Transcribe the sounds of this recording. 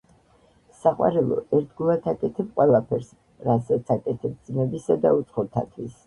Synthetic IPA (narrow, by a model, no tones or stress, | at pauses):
saqʼwa̰ɾɛlˠɔ̰ʔɛɾt̪ʰɡulˠat̪ʰakʼɛt̪ʰɛb̚qʼwɛlˠapʰɛɾs | ɾasat̪sʰakʼɛt̪ʰɛb̚d̪zmɛbisad̪aut̪sʼχɔt̪ʰa̰t̪ʰwis